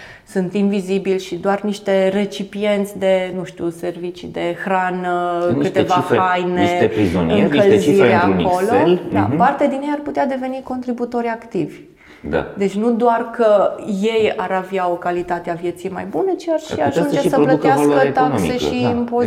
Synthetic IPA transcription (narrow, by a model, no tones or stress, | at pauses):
sunt̪imvizibilʃid̪oarniʃt̪e̞re̞t͡ʃipije̞nt̪sʲd̪e̞nuʃt̪use̞rvit͡ʃid̪e̞xɾanənkɨt̪evaajneeɾizonɨŋkəlziɾako̞loeld̪a̰part̪ead̪injejarput̪ead̪e̞ve̞niko̞nt̪ɾibut̪o̞ɾʲakt̪ivʲ | d̪a̰d̪e̞t͡ʃʲnud̪oarkəje̞jaɾaveao̞kalit̪at̪eavje̞t̪sijma̰jbunət͡ʃiarʃiaʒund͡ʒesəplət̪eakkət̪akse̞ʃiimpo